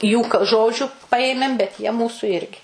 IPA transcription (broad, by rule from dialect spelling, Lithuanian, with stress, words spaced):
juː k ˈʒoːd͡ʒʲʊ ˈpɐeːmʲeːm bʲɛt jiɛ ˈmuːsʊ ˈɪrʲɡʲɪ